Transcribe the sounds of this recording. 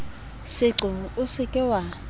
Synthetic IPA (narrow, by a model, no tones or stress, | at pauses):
sɪǁʊʊsɪkʼɪwa